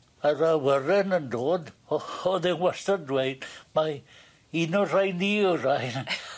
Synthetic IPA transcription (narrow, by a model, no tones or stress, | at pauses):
arawəɾɛnəndoːdɔɔðɛnwɛstandwejd̥ma | inɔr̥ajniɔr̥aj